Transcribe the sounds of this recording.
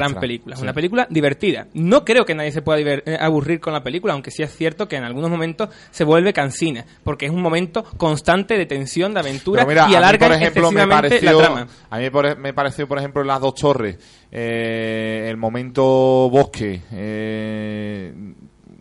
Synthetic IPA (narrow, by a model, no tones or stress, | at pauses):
ɾampelikulaesunapelik̬ulad̪iβ̞e̞ɾt̪iða̰no̞kɾe̞o̞ke̞naðjes̬e̞pwe̞ðaðiβeɾaβuriɾko̞nlape̞likulaawŋke̞sie̞sθje̞ɾt̪oke̞ːnalɣuno̞ɦmõ̞mẽnt̪o̞s | se̞βwe̞lβe̞kansina | po̞ɾkeesuŋmomẽnt̪o̞ko̞nst̪ant̪e̞ðe̞t̪ẽ̞nsjõ̞nd̪eaβẽ̞nt̪uɾamiɾaialaɾɣaoɾeheemelosiβameanɾeejlaoɾama | amĩmeoɾemepaɾeθjopoɾehemplolaðo̞ht̪ʰo̞res | eː | lmõmẽnt̪oβokʰee